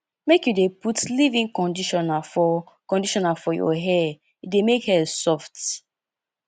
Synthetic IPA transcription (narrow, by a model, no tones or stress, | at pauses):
mekjudeputlivĩŋkɔ̃ndiʃɔnafɔ | kɔ̃ndiʃɔnafɔjɔ̰ɦɛ | demekhɛsɔft